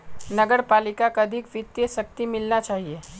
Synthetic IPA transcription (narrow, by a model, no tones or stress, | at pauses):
nɐɡəɾpaːlɪkakaɐd̪ʱɪkʋɪt̪jəʃɐk̚t̪imɪlnat͡ʃaːɦieː